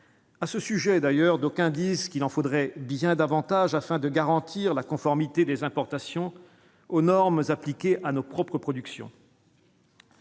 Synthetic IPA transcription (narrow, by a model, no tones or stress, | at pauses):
asəsyʒɛd̪ajœʁd̪okʲɛ̃d̪izkʲilɑ̃fod̪ʁɛbjɛ̃d̪avɑ̃t̪aʒafɛ̃d̪əɡaʁɑ̃t̪ʰiʁlakɔ̃fɔʁmit̪ed̪ezɛ̃pɔʁt̪asjɔ̃ | onɔʁmzaplikʲeʔanopχɔpχəpχɔd̪yksjɔ̰̃